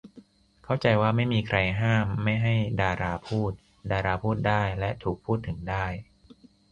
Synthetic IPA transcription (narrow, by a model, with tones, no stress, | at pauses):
kʰa˥˩wt͡ɕa˧jwaː˥˩ma˥˩jmiː˧kʰɾa˧jɦaː˥˩mːa˥˩jɦa˥˩jdaː˧ɾaː˧pʰuː˥˩t̪̚ | daː˧ɾaː˧pʰuː˥˩t̪̚daː˥˩jlɛ˦˥ʔt̪ʰuː˨˩k̚pʰːuː˥˩t̪ʰːɯ˩˦ŋdaː˥˩j